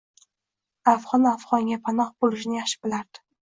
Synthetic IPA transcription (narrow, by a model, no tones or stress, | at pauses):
afʁɒnafʁɒŋɡʲapʰanɒχbolɪʃnɪjaχʃɪ̥bɪlaɾd̪̥ɪ̥